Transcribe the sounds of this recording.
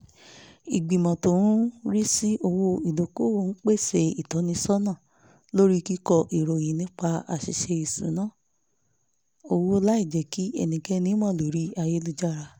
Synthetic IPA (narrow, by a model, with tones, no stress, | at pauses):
i˨ɡ͡bi˨mɔ̃˨to˨˦ũ˦ɾi˦si˦ʔo˧wo˧i˨lo˨ko˦wo˧˦n̩˦k͡pe˦˨se˧i˨tɔ˨˦nĩ˧sɔ˦nãː˦˨ | lo˦ɾi˦ki˦kɔ˧ʔi˨ɾo˨j̃ĩ˨nĩ˦k͡pa˧a̰˨ʃḭ˨˧ʃe˧i˨sṵ̃˨˦nãː˦˨ | o˧wo˧la˦i˦˨d͡ʒɛ˨ki˦ɛ̰˧nĩ˨ɡɛ˦nĩ˦mɔ̃˦˨lo˨ɾi˦a˧je˦lu˧d͡ʒa˦˨ɾa˧